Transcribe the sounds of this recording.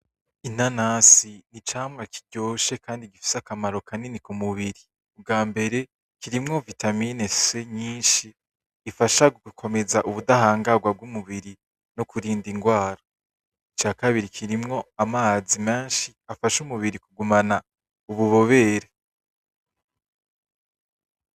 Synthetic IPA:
in̥anasinit͡ʃaːmŋaki̥ɟo̞ːʃe̞kaːndiɡifi̥sakamaɾo̞kʰaninikumuβiɾi | ub̚ɡaːmbe̞ɾe̞ | kiɾimŋo̞vitamineseɲiːnʃiː | faʃaɡuɡukʰo̞me̞zaʔuβudahaːŋɡaɡwab̚ɡumuβiɾi | nokuɾiːndiŋɡwaːɾa | it͡ʃaːkaβiɾikʰiɾimŋo̞amaːzime̞ːnʃiafaʃumuβiɾikuɡumana | uβuβo̞βe̞ːɾe

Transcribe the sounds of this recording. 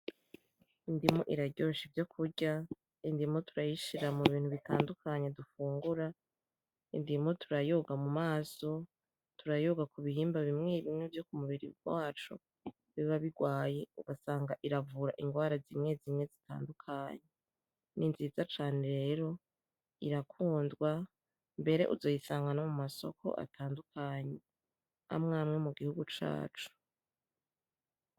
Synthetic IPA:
indimoʔiɾaɟoʃivjo̞kʰuɟa | indimotuɾajiʃiɾamuβiːn̥huβitaːndukaɲedufuːŋɡuɾa | ḭndimotuɾajoɡamumaːso̞ | tuɾajoɡakuβiɦiːmbaβimŋeβimŋevjo̞kumuβiɾḭɡwaːt͡ʃo̰ | βiβaβiɡwaːje̞uɡasaːŋɡaʔiɾavuɾaʔiŋɡwaːɾazimŋe̞zimŋe̞zitʰa̰ːndukʰaːɲe | ninzizat͡ʃaːneɾe̞ːɾo̞ | iɾakʰuːndɡwa | mbe̞ɾe̞ʔuzo̞jisaːŋɡanomumaso̞̰kʰo̞̰ʔa̰tʰaːndukʰaɲe̞ | a̰mŋaːmŋemuɡihuɡut͡ʃa̰ːt͡ʃu̥

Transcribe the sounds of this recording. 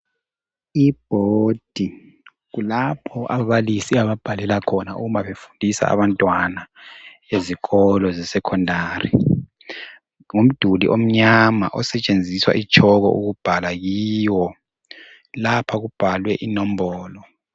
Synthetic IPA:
ib̥ʱod̥ʱi | ɣulapʰɔʔaβalisiaβab̥ʱalɛlakʰɔnaṵɣumaβefundʱisa̰a̰βantʼwana | eziɣɔlɔzɛsɛkʰɔndʱaːrḭ | ŋum̩d̥ʱulḭʔom̩ɲama̰ʔɔsɛt͡ʃʼend͡zʱiswa̰ʔit͡ʃʼʰɔɣɔ̰ʔuɣub̥ʱalajiwɔ | lapʰaɣub̥ʱalwɛʔinɔm̩bɔːlɔ

